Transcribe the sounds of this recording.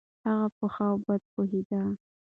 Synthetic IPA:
haɣapəxawbad̪̚poɦid̪a

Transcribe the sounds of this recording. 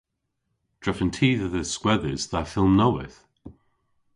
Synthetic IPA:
d̥ɹ̥ɛfə̃ntʰiːðəðəskwɛðəzðəfɪlˠmnoʊɪ̰θ

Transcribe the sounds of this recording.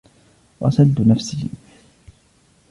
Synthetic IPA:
wa̰sald̪ʊnafsɪ

